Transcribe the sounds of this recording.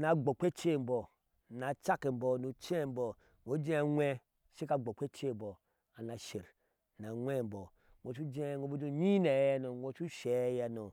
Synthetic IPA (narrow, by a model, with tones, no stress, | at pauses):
na˨ɡ͡bo˨k͡pe˦t͡ʃe˦˨m̩˨bo˨ | na˨t͡ʃa˦ke˨m̩˨bo˨no˨t͡ʃe˦˨m˦bo˨ | ŋo˦d͡ʒe˦ŋʷe˦ | ʃi˦ka˨ɡ͡bo˨k͡pʷe˦t͡ʃe˦m˨bo˨ | a˨na˨ʃe˨ɾ | na˨ŋʷe˦m̩˨bo˨ | ŋʷ˨o˨t͡ʃu˦d͡ʒe˦˨ŋʷo˨˦bo˦do˦ɲi˦ne˨˦ja˦no˨ŋʷo˨t͡ʃu˦ʃe˨˦ja˦no˨